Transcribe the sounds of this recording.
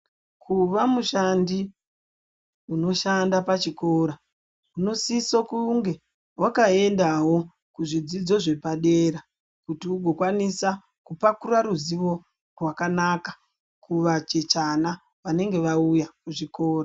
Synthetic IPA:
kʰuʋamuʃandi | uno̞ʃandapat͡ʃiko̞ːɾa | uno̞sisokuŋɡe̞ | wakae̞ndawo̞ | kuʐid͡zid͡zo̞ʐe̞paɗeːɾa | kutiuɡʱo̞kwanisa | kupakuraɾuziʋo̞ | rwakanakḁ | kuʋat͡ʃe̞t͡ʃana | ʋane̞ŋɡe̞ʋaujakuʐiko̞ːra

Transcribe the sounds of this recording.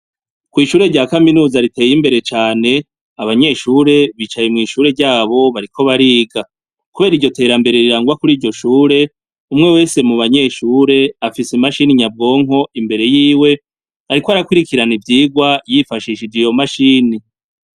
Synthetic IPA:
kwiːʃuːɾe̞ɾɟaːkaminuːzaɾite̞ːjimbe̞ɾe̞t͡ʃaːne̞ | aβaɲe̞ːʃuːɾe̞βiːt͡ʃajemŋiːʃuːɾe̞ɾɟaːβo̞βaɾikʰo̞βaɾiːɡa | kuβeːɾiɾɟo̞te̞ːɾambe̞ɾe̞ɾiɾaːŋɡwakuɾiːɾɟo̞ʃuːɾe̞ | umŋe̞we̞ːse̞muβaɲe̞ːʃuːɾe̞afisimaʃiniɲab̚ɡo̞ːŋɦo̞imbe̞ɾe̞jiːwe̞ | aɾikoaɾakwiɾikiɾanivjiːɡwajifaʃiːʃiɾd͡ʒijo̞maʃiːni

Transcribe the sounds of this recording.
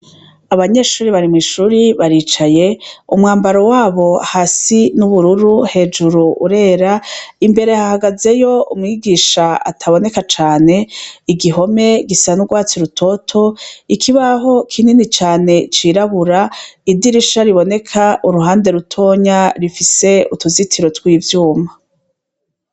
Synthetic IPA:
aβaɲe̞ːʃuːɾiβaɾimŋiːʃuːɾiβaɾiːt͡ʃaje̞umŋaːmbaɾo̞waːβo̞ahasinuβuɾuɾuhe̞ːd͡ʒuɾuʔuɾe̞ːɾaimbe̞ɾe̞hahaɡaze̞jo̞umŋiːɡiːʃaa̰tʰaβo̞ne̞kat͡ʃaːne̞iɡiɦo̞me̞ɡisanuɡwaːt͡siɾutʰo̞tʰo̞ikʰiβaɦo̞kʰininit͡ʃaːne̞t͡ʃiːɾaβuɾaidiɾiʃaɾiβo̞ne̞kʰaʔuɾuɦaːnde̞ɾutʰo̞ːɲaɾifise̞utuzitʰiɾo̞twiːvjuːma

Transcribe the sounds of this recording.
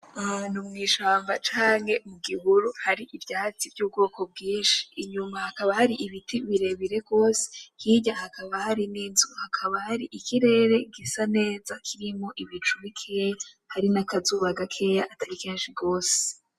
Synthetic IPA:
numŋiːʃaːmvat͡ʃaːŋhe̞muɡiβuɾuhaɾiʔivjaːt͡sivjɟuːb̚ɡo̞ːko̞b̚ɡiːnʃi̥ːɲumahakaβahaɾiʔiβitiβiɾe̞βiɾe̞ɡɡo̞ːse̥hiɟahakaβahaɾininzuhakʰaβahaɾiʔikʰiɾe̞ɾe̞ɡisane̞ːzakʰiɾimo̞ʔiβit͡ʃuβikʰeja | haɾinakazuβaɡakʰe̞jaʔataɾikeːnʃiɡo̞ːse̥

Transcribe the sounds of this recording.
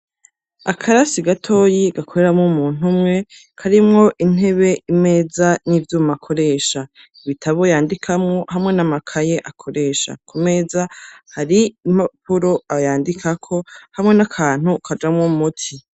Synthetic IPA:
a̰kʰaɾasiɡatʰo̞ːjiɡakʰo̞ɾe̞ɾamŋomuːn̥umŋe̞ | kʰaɾimŋo̞ʔin̥ɦe̞βe̞ʔime̞ːzaniːvjuːmakʰo̞ɾe̞ːʃa | iβitʰaβo̞jaːndikʰamŋo̞ɦamŋe̞namakʰaje̞ʔakʰo̞ɾe̞ːʃa̰kʰume̞ːzahaɾimapuɾo̞ajaːndikʰakʰo̞hamŋe̞nakʰaːn̥hukʰad͡ʒamŋomutʰi

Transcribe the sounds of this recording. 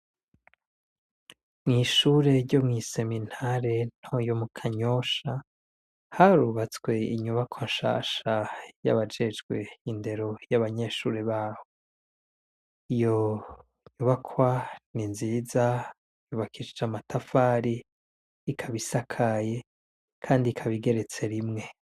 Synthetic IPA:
mŋiːʃuːɾe̞ɾɟo̞mŋise̞min̥haɾe̞n̥ojo̞mukʰaɲo̞ʃa | haɾuβat͡swe̞iɲuβakʰwanʃa̰ːʃaja̰βad͡ʒe̞d͡ʒɡwe̞jinde̞ɾo̞jaβaɲe̞ʃuːɾeβaːho | ijo̞ | ɲuβakʰwaninziːza | juːβakʰiʃid͡ʒamatʰafaːɾiː | kʰaβisakʰaje̞ | kʰaːndiːkʰaβiɡe̞ɾe̞t͡se̞ɾimŋe̞

